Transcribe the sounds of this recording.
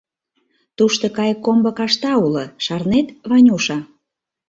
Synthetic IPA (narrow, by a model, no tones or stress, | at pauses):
t̪uʃt̪okɑjkːombə̆kɑʃt̪ɑulɤ̆ʃɑrnet̪βɑnʲuʃɑ